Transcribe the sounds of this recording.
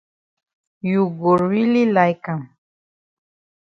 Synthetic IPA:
jʊɡʊɾwɪlɪlajkaŋ

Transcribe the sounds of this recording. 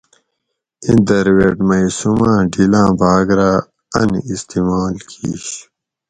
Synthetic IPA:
ĩnd̪ɐɾweːʈmɐisumãːɖilãːbaːɡɾaː | ɐ̰nist̪imaːlkḭːɕ

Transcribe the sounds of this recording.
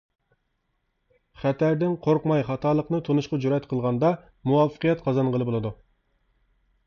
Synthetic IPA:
χɛt̪æɾd̪ɪnqʰoɾqmɑjχɑt̪ʰɑːlˠəqnɨt̪ʰonuʃqɑd͡ʒuɾɑɛt̪qʰəlˠʁɑnd̪ɑ | muwɑfə̥qijɛt̪qʰɑzɑnʁəlˠɨbolˠɨd̪u

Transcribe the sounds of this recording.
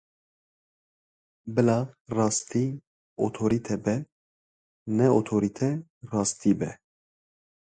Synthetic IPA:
bɨlɑrɑːst̪ʰiː | o̰t̪ʰoɾit̪ʰɛbɛ | nɛot̪ʰoɾit̪ʰɛrɑːst̪ʰiːbɛ

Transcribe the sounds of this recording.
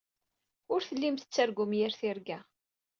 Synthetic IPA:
ʊɾθəlːimt̪ə̥t͡sːæɾɡʊmjæɾθɪɾɡæ

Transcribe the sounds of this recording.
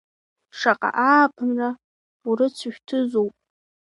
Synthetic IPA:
ʂaqʼa̰ʔaːpʰɨnra | uɾɨt͡sʷʰʃᶣtʰɨzowpʼ

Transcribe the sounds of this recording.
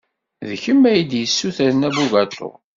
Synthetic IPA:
ðəçəmːæjid̪jəsːuθæɾnæbuɡæt̪ːʊ̰ʁ

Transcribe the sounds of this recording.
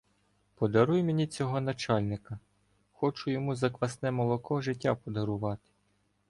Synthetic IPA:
pɔd̪ɐɾujmenʲit͡sʲɔɦɔnɐt͡ʃɑlʲnɪkɐ | xɔt͡ʃʊjɔmuzɐkʋɐsnɛmɔlˠɔkɔʒɪtʲːapɔd̪ɐɾʊʋɑt̪ɪ̥

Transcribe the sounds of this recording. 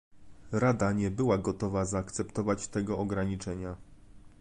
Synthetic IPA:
ɾad̪aɲɛbɘwaɡɔt̪ɔvazaːkt̪sɛpt̪ɔvat͡ɕt̪ɛɡɔɔɡɾaɲit͡ʂɛɲa

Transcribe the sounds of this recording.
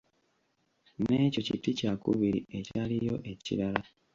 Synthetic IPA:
ne̞ːco̞citicakṵβiɾḭe̞calijo̞ʔe̞cḭlala

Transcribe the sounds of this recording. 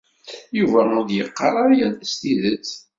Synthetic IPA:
juvæʊd̪jəqːɑɾˤɑɾjælæst̪iðət͡sː

